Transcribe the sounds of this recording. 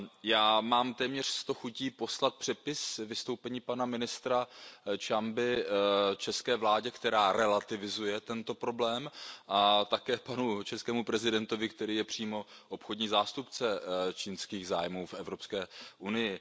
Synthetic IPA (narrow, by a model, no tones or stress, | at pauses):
jaːmaːmt̪ɛːmɲɛr̝̥st̪oxuciːpo̞slat̪̚pr̥ɛpɪsvɪst̪owpɛɲiːpanamɪnɪst̪ɾat͡ʃambɪt͡ʃɛskɛːvlaːɟɛkt̪ɛɾaːɾɛlat̪ɪvɪzujɛt̪ɛnt̪o̞pɾo̞blɛːmʔat̪akɛːpanut͡ʃɛskɛːmupɾɛzɪdɛnt̪o̞vɪkt̪ɛɾiːjɛpr̝̥iːmo̞ʔo̞pxodɲiːzaːst̪upt͡sɛt͡ʃiːnskiːɣzaːjmuːfʔɛvɾo̞pskɛːʔunɪjɪ